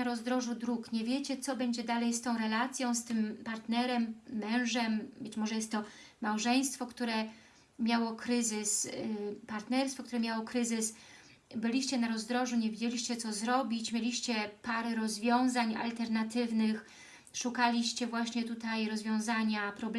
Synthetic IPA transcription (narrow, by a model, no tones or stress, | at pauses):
aɾɔzd̪ɾɔʐud̪ɾukɲɛvʲjet͡ɕɛt̪sɔbɛɲd͡ʑɛd̪alɛjst̪ɔ̃w̃ɾɛlat̪sʲjɔ̃w̃st̪ɘmpaɾt̪nɛɾɛmːɛ̃w̃ʐɛmbɘt͡ɕmɔʐɛjɛst̪ːɔ | mawʐɛj̃st̪fɔkt̪uɾɛ | mʲjawɔkɾɘzɘspaɾt̪nɛɾsfɔkt̪uɾɛmʲjawɔkɾɘzɘs | bɘlʲiɕt͡ɕɛnaɾɔzd̪ɾɔʐuɲevʲed͡ʑelʲiɕt͡ɕɛt̪sɔzɾɔbʲit͡ɕmʲjelʲiɕt͡ɕɛpaɾɛɾɔzvʲjɔ̃w̃zaɲa̰lt̪ɛɾnat̪ɘvnɘx | ʂukalʲiɕt͡ɕɛvwaɕɲɛt̪ut̪ajɾɔzvʲjɔ̃w̃zaɲapɾɔb